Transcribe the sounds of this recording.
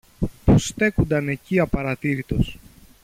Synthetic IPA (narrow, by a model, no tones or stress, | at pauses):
pust̪e̞kund̪ɐne̞ciɐpɐɾɐt̪iɾit̪o̞s